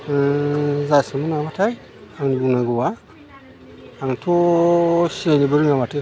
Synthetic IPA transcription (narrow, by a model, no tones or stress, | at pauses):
zasamunamatai | aŋnbunaɡuwa | antʰoʃenibəɾiŋɡamatə